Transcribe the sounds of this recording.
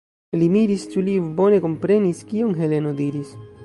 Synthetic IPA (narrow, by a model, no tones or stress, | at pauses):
limiɾist͡ʃulibo̞ne̞ko̞mpɾe̞niskionɦe̞le̞nodiɾis